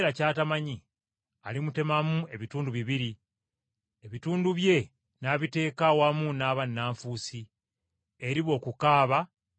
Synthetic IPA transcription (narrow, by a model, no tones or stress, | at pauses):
ɾacaːtamaɲi | alimute̞mamue̞βituːnduβiβiɾi | eβituːnduβje̞ | naːβite̞ːkawamunaːβanːaːɱfuːsi | e̞ɾiβo̞ːkukaːβa